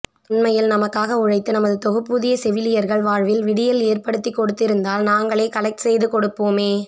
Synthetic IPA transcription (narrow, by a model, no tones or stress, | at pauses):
ʊɳmɐjɪlnɐmɐkːaːɣɐʊɻɐɪt̪ːɯnɐmɐðɯt̪ɔɣɯpːʊðɪjɐsɛʋɪlɪjɐɾɣɐɭʋaːɻʋɪlʋɪɽɪjɐleːrpɐɽɯt̪ːikːɔɽɯt̪ːɪɾɯnd̪aːlnaːŋɡɐɭeːkɐlɐɪk̚ʈsɛjðɯkɔɽɯpːoːmeː